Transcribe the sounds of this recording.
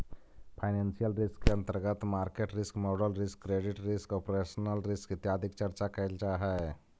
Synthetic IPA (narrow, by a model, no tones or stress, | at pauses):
pʰaɪneːnsijəlɾɪskːeə̃nt̪əɾɡət̪maːɾkeʈɾɪskmoːɖəlɾɪskːɾeːɖɪʈɾɪskɔːpɾeːʃənəlɾɪskɪt̪jaːd̪ʱɪkt͡ʃəɾt͡ʃakəɪld͡ʒaɦɛ